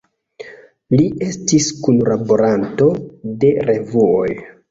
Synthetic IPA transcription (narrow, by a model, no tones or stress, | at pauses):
liʔe̞stiskunlabo̞ɾanto̞de̞ɾe̞vuo̞̰j